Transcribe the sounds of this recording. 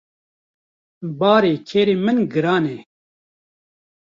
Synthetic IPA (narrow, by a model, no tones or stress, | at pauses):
baːɾeːkʰeːɾeːmɨnɡɨɾaːnɛː